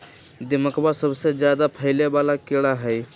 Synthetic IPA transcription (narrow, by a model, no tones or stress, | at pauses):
d̪ɪməkbasəbsed͡ʒjaːd̪apʰəɪlebaːlakeɽaɦɛj